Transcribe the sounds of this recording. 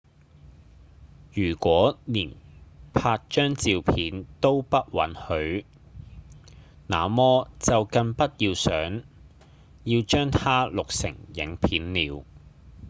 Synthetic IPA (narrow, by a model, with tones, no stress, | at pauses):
jyː˨˩kʷɔː˨˥niː˨˩npʰaː˧t̚t͡ʃœː˥ŋt͡siː˧wpʰiː˨˥nt̪o˥wpɐ˥t̚wɐ̰˨˥nhɵ˨˥ɥ | na̰ː˨mɔː˥t͡sɐ˨wkɐ˧ŋpɐ˥t̚jiː˧wsœː˨˥ŋ | jiː˧wt͡ʃœː˥ŋt̪ʰaː˥lʊ˨k̚sɪ̰˨˩ŋjɪ̰˨˥ŋpʰiː˨˥nliː˨˧w